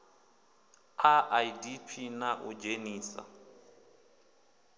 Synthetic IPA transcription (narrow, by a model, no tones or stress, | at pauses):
aʔaidipʰinaʔud͡ʒeniːsa̰